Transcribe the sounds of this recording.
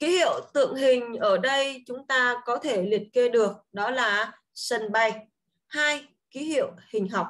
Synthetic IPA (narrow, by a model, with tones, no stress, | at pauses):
ki˨˦hḭ˧˨əwt̪ɨ̰˧˨əŋɦï˨˩ŋ̟ʔəː˧˩ɗə˧jt͡ɕʊ˨˦ŋ͡mt̪aː˧kɔ˨˦t̪ʰe˧˩li˨˩t̚ke˧ɗɨ˨˩ək̚ɗɔ˨˦laː˨˩ | sə˧˩nɓa˨˧˩j | haː˧j | ki˨˦hḭ˧˨əwhï˨˩ŋ̟ɦa˨˩wk͡p̚